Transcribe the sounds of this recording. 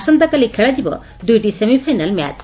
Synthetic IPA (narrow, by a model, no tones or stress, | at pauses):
sɔnt̪akalikʰɛɽad͡ʒibɔ̰ | d̪ujʈisemipʰajnalma̰t͡ʃ